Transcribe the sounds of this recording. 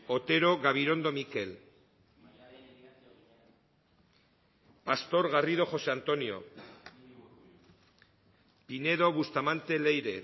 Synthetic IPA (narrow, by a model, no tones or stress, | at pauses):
ot̪e̞ɾo̞ɣaβ̞iɾo̞nd̪o̞mike̞l | past̪o̞ɾɣarið̞o̞xo̞se̞ant̪o̞nio̞̰ | pine̞ðo̞βust̪amant̪e̞le̞jɾe̞